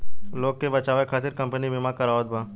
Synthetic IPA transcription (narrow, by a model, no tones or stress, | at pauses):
loːɡ̚kːebɐt͡ʃaːʋekʰaːt̪ɪɾkɐ̃mpənibɪmakɐɾaːod̪̚baː